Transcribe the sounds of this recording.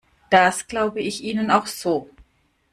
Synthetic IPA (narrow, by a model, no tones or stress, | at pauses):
d̥asɡ̥laʊbəɪçʔiːnənaʊxz̥oː